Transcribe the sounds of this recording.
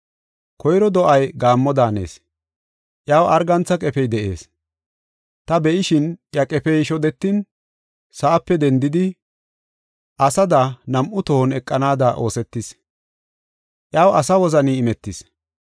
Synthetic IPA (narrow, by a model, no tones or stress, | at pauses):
kɔjɾɔd̪ɔʔɐjɡaːmːɔd̪aːnḛːs | ʔjaːwʔɐɾɡɐnt͡sːɐkʼɛpɛjd̪ɛʔe̞̰ːs | t̪ɐbɛʔɪʃɪnʔjɐkʼɛpɛjʃɔd̪ɛt̪ːɪn | sɐʔːpːɛd̪ɛnd̪ɪd̪ɪ | ʔɐsɐd̪ɐnɐmʔʊt̪ɔhɔnɛkʼːɐnaːd̪ɐʔo̞ːsɛt̪ːɪs | ʔjaːwɐsɐwɔzɐniɪmɛt̪ːɪs